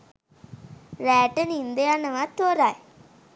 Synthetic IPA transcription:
ɾɛːʈːɐnind̪ijanɐʋat̪oːɾaːj

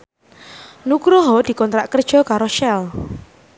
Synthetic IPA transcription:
nukɾʊɦɔd̪̥i̤kɔnt̪ɾaʔkərd̥ʒ̥ɔ̤kaɾoʃɛl

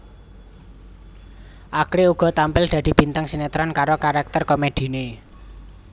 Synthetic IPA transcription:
ʔakɾeuɡ̥ɔ̤t̪ampɪld̪̥ä̤d̪̥i̤b̥i̤nt̪aŋsinet̪ɾɔnkaɾokaɾak̚t̪ərkomed̪̥i̤ne

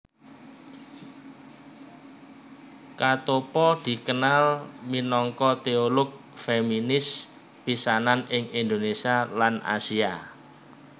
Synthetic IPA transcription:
kat̪opɔd̪̥i̤kənalminɔŋkɔt̪eolʊk̚ | feminɪs | pisananɪŋind̪onesialanʔa̰sia

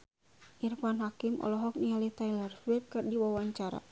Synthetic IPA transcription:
ʔirfanɦakimʔɔ̰lɔɦɔk̚nialit̪ajlɛrswip̚kɨrdiwawaɲt͡ʃaɾa̰

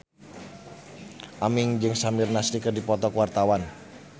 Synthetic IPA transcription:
ʔamɪŋd͡ʒɨŋsamɪrnasɾikərdipɔt̪ɔkwart̪awan

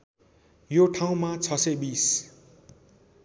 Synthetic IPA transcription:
joʈʰaw̃mat͡sʰʌsebis

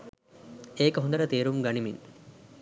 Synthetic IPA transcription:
eːkəɦund̪ɐɾət̪eːɾumɡɐnimin

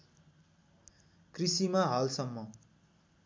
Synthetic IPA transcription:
krisimaɦalsʌmːʌ

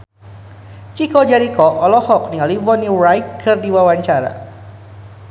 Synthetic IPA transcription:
t͡ʃikɔd͡ʒaɾikɔʔɔlɔhɔk̚niŋalivɔniɾajkʰːərdiwawaɲt͡ʃaɾa̰

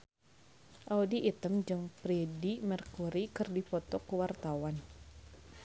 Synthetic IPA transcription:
ʔaudiʔit̪əmd͡ʒɨŋpɾedimərkuɾikɨrdipɔt̪ɔkuwart̪awan

